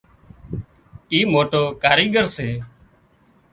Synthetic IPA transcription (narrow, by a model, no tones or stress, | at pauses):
iːmoːʈoːkaːɾiːɡəɾseː